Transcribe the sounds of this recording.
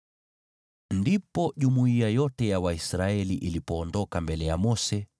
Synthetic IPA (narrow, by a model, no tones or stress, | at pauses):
ndipɔʄumuiajɔtɛjawaisɾaɛliʔilipɔːndɔkambɛlɛjamɔsɛ